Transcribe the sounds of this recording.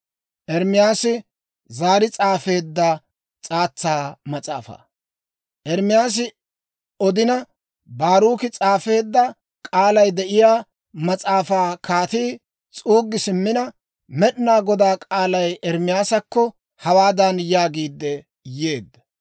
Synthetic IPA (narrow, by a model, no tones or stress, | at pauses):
ʔɛɾmɪjaːsɪ | zaːɾɪt͡sʼaːfe̞ːd̪ːɐ | t͡sʼaːt͡sːaːmɐt͡sʼa̰ːfa̰ː | ʔɛɾmɪjaːs̬ɪ | ɔd̪ɪnɐ | baːɾuːkɪt͡sʼaːfe̞ːd̪ːɐ | kʼaːlɐjd̪ɛʔɪjaː | mɐt͡sʼaːfaːkʰaːt̪iː | t͡sʼuːɡːɪsɪmːɪnɐ | mɛɗnaːɡɔd̪aːkʼaːlɐjʔɛɾmɪjaːsɐkːɔ | hɐwaːd̪ɐnjaːɡiːd̪ːɛ | jeːd̪ːɐ̥